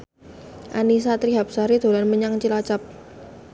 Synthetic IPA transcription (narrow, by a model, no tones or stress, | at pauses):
ʔa̰nisat̪ɾiɦap̚saɾid̪̥o̤lanməɲaŋt͡ʃilat͡ʃap̚